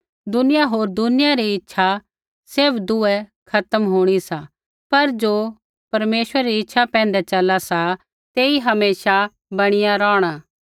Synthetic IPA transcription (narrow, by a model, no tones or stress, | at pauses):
d̪ʊnɪjaɦoːɾd̪ʊnɪjaɾiɪtːʃʰa | sɪɾpʰd̪ʊɛkʰɐt̪əmɦuːɽ̃isa | pɐɾd͡ʒoː | pɐɾmeːsəɾeɾiɪtːʃʰapɛ̃ːn̆d̪ɛt͡ʃɐlasa | t̪eːiɦɐmeːsa | bɐɽ̃ɪjaɾɔːɽ̃aː